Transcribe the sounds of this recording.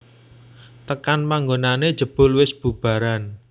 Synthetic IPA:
t̪əkanmaŋɡonane̥ʒ̥ə̤b̥ʊ̤lwɪsb̥ṳb̥ä̤ɾan

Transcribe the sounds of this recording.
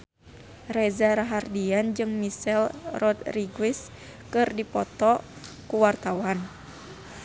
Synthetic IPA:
rɛzaɾaɦardiand͡ʒɨŋmisɛlrɔt̪riɡwis | kɨrdipɔt̪ɔkuwart̪awan

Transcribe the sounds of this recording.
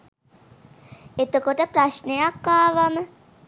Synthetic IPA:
et̪okoʈəpɾaʃnejakːaːʋamə

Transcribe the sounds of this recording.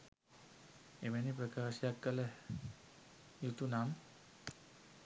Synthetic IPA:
emɛnipɾəkaːʃjakːəlɛ | jut̪unam

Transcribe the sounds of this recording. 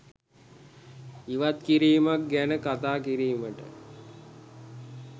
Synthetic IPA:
iʋat̪kiɾiːmak̚ɡænəkat̪aːkiɾiːməʈə̰

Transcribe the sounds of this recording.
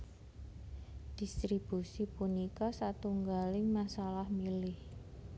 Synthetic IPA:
d̪̥ist̪ɾib̥usipunikɔsat̪uŋɡalɪŋmasalahmilɪh

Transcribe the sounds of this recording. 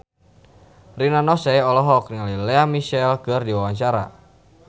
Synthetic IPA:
rinanɔsɛjɔlɔɦɔk̚iŋalilɛamiʃɛlkɨrdiwawaɲt͡ʃaɾa̰

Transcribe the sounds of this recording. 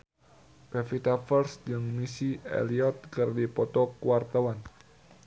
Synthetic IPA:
pɛfit̪afərsd͡ʒɨŋmisiḛliɔt̪̚kɨrdipɔt̪ɔkuwart̪awan

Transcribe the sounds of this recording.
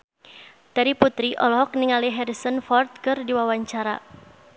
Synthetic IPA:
d̥aɾiput̪ɾiʔɔlɔɦɔk̚niŋaliɦɛɾisənfɔrt̪̚kɨrdiwawaɲt͡ʃaɾa̰

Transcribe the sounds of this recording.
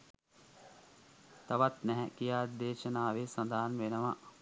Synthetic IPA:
t̪ɐʋat̪nɛɦɛkijaːd̪eːʃənaːʋesɐnd̪aːanʋenəʋaʔ

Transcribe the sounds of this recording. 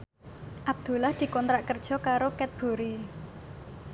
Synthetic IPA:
ʔab̚d̪̥ṳlahd̪̥i̤kɔnt̪ɾaʔkərd̥ʒ̥ɔ̤kaɾokɛt̪̚b̥o̤ɾi

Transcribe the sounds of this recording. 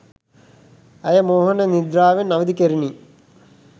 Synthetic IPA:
ɐjɐmoːɦɐnɐnid̪ɾaːʋenɐʋɐd̪ikeɾini

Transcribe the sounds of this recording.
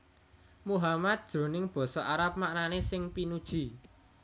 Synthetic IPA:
muɦamat̪̚d̥ʒ̥ɾo̤nɪŋb̥ɔ̤sɔʔaɾap̚maʔnanesɪŋpinud̥ʒ̥i̤

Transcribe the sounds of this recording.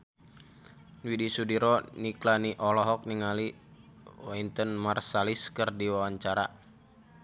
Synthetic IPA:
nwidisudiɾɔniklaniʔɔlɔɦɔk̚niŋali | waint̪ənmarsaliskərdiwawaɲt͡ʃaɾa

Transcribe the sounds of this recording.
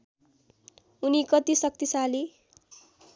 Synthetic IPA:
unikʌt̪isʌk̚t̪isali

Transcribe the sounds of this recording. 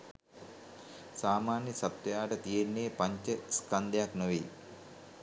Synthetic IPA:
saːmaːnjɐsɐt̪ːɐjaːʈət̪ijenːeːpɐɲt͡ʃəskɐnd̪ʱejaknuʋi

